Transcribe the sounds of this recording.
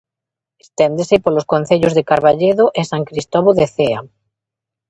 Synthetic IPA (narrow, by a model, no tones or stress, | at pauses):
est̪end̪esepoloskon̟θeʎozðekaɾβaʎeðoʔesaŋkɾist̪ɔβoðeθea̰